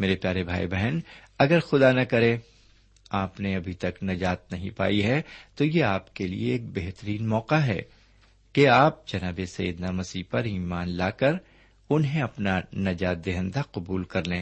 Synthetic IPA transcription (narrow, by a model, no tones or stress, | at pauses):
meːɾepjaːɾebʱa̰ːḭbɛɦɛn | ɐɡəɾxʊd̪anɐkɐɾẽ | aːpneɐbʱit̪ɐknɐd͡ʒaːt̪̚nɐɦĩpa̰ːiɦɛt̪ojeaːpkelḭeːk̚beɦt̪əɾiːnmɔːqaɦɛ̰ː | keaːp̚d͡ʒɐnaːbesɐjḭd̪namɐsiːpɐɾiːmaːnlaːkɐɾ | ʊnɦẽɐpnanɐd͡ʒaːt̪̚d̪eɦə̃nd̪aqʊbuːlkɐɾlẽː